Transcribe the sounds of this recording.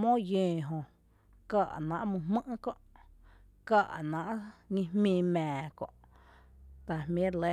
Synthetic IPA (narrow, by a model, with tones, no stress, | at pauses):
mõ˦jẽː˨ɦõ˨ | ka˧˨ʔnã̰˧˨ʔmũ˧ɦmə̃˦ʔkõ˧ʔ | ka˦˧˨ʔnã˨ʔɲĩ˧hmĩː˧mɛ̃ː˨kõ̰˧˨ʔ | t̪a˨hmẽ˦le˦